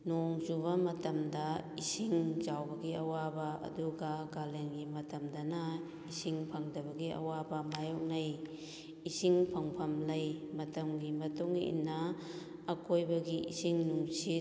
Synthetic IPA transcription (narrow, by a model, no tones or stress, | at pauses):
noŋzuβɐmɐtɐmdɐisiŋd͡ʒawbɐɡiɐwabɐɐ̰duɡaɡalenɡimɐtɐmdɐnɐ | isiŋpʰaŋdɐbɐɡiʔɐ̰wabɐmajɔk̚naj | isiŋpʰaŋpʰɐmlɐjmɐtɐmɡimɐtuŋḭnːaː | kʰojbɐɡiʔḭsiŋnusi